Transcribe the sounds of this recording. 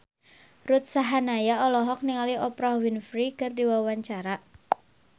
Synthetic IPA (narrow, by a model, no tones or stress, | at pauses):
rut̪̚saɦanajaɔlɔɦɔk̚niŋaliʔɔpɾawinfɾikɨrdiwawaɲt͡ʃaɾaʔ